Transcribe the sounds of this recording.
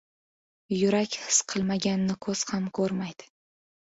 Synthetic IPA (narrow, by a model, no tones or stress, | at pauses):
jʊɾakʲhɪsqʰɨlˠmaɡʲanɪnɪkʰɵz̥hamkʰɵɾmajd̪̥ɪ̥